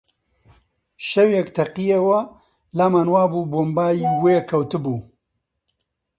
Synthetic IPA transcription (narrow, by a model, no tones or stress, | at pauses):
ʃɛwjɛkt̪ʰɐqijewɐ | laːmaːnwaːbuːboːmbaːjiːweːkʰɐwt̪ɨbuː